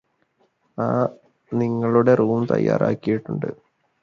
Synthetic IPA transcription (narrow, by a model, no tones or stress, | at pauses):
aː | niŋːɐɭuɽe̞ruːmt̪ɐ̰jːa̰ːɾaːkːijiʈːuɳɖɨ̰